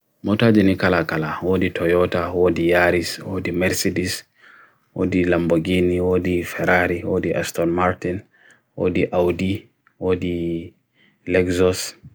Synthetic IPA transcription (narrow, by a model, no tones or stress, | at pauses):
mɔtaːd͡ʒinikalakalawoːditʰɔjɔtawodijaɾiswodimɛɾsidis | wo̰dilamboɡiniwoːdifɛɾaɾiwoːdiʔa̰stɔnmaɾtin | wo̰ːdiʔawdi | wodi | lɛɡzɔs